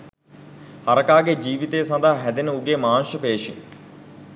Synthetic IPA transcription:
hɐɾɐkaːɡed͡ʒiːʋit̪eːsɐ̃nd̪aɦɦɛd̪enəuɡemaːnʃəpeːʂḭŋ

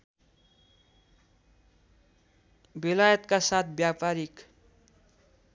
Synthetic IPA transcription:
belajʌt̪kasat̪̚ʰbjapaɾik

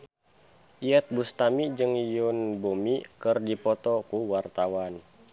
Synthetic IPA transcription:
ʔiɛt̪̚bust̪amid͡ʒɨŋjunbomikɨrdipɔt̪ɔkuwart̪awan

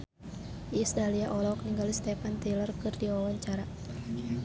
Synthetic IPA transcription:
ʔisdaliaʔɔlɔk̚niŋɡalist̪ɛpant̪ilərkɨrdiɔwɔɲt͡ʃaɾa

